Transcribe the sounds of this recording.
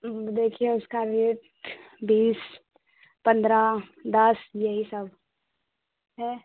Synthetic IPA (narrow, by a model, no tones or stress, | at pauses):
d̪eːkʰieʊskaɾeʈ | biːs | pə̃nd̪ɾad̪ɐsjeɦisəb | ɦɛː